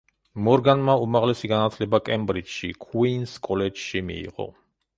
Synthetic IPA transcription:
mɔɾɡanmaumaʁlɛsiɡanat̪ʰlɛbakʼɛmbɾit͡ʃʃikʰwinskʼɔlɛd͡ʒʃimḭːʁɔ̰

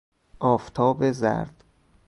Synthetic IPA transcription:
ʔɒːft̪ʰɒːbezæ̰ɾd̪̥

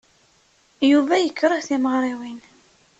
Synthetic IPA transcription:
juvæjəkːɾˤəθiməʁɾˤiwin

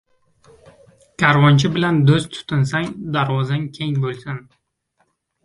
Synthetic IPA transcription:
kʲʰaɾvɒnt͡ʃʰɪbɪland̪ozt̪ʰʊ̥t̪ʰɪnsaŋd̪aɾvɒzankʲʰe̞ŋbolˠsɪn

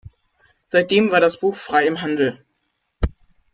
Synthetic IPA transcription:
z̥aɪt̚d̥eːmvaːɐɾasb̥uːxfʁ̥aɪɪmɦandl̩

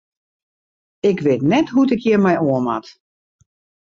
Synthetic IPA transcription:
ɪkʋɪːtnɛtɦutɪkʰjɪmɛjoəma̰t

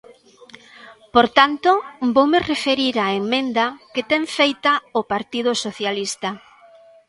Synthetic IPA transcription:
poɾt̪ant̪obowmerefeɾiɾaemmẽnd̪ɐket̪ɛŋfejt̪aopaɾt̪ið̞osoθjalist̪a

